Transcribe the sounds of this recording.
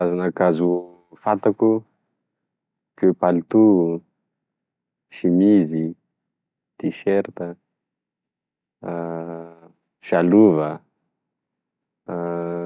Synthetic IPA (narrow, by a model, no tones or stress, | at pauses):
azanakazu | fat̪aku | kepalit̪u | ʃimizi | d̪̥iʃeɾt̪ə | ʃaluvə